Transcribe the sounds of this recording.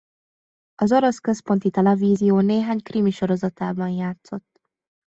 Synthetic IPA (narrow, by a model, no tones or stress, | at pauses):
ɒzoɾo̞skø̞spo̞nt̪it̪ɛlɛviːzijoːneːɦaːɲkriːmiʃo̞ɾo̞zɒt̪aːbɒnjaːt̪so̞t̪ː